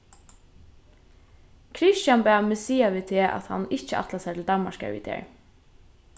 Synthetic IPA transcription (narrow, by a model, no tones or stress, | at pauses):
kʰɾɪʃt͡ʃanbæːmɪsiːaʋiːt̪ʰeːʔa̰t̪ha̰nɪt͡ʃəɑ̰t̪lasɛt̪ʰɪld̪ɑmmaʃkɛ̰ɹʋḭːd̪ḛːɹ